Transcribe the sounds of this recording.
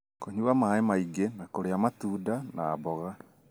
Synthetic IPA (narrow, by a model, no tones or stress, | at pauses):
koɲuamaemaiɡenakoɾeamatuːdana̰ːbɔɣa